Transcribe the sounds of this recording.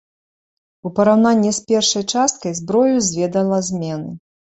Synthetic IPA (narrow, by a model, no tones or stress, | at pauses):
upɐɾawn̪anʲːisʲpʲɛrʂɐjt͡ʂast̪̚kɐjzbɾɔjuzʲvʲɛd̪ɐlˠɐzʲmʲɛnɨ